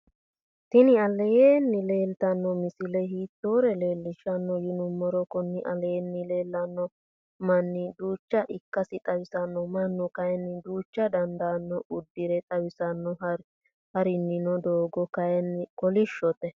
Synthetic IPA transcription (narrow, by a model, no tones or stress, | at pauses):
t̪ɪnɪɐlɛjeːnːɪle̞ːlt̪ɐnːɔmɪsɪlɛhiːt̪ːoːɾɛle̞ːlːɪʃɐnːɔjɪnʊmːɔɾɔkɔnːɪʔɐ̰leːɛnːɪle̞ːlːɐnːɔ | mɐnːɪd̪uːt͡ʃːɐʔɪkːɐsɪt̪ʼɐwɪsɐnːɔmɐnːɔkɐjɛnːɪd̪uːt͡ʃːɐd̪ɐnd̪ɐːnːɔʔʊd̪ːɪɾɛt̪ʼɐwɪsɐnːɔɾ | hɐɾɪnːɪnɔd̪oːɡɔkɐjɛnːɪkɔlɪʃːɔt̪ɛ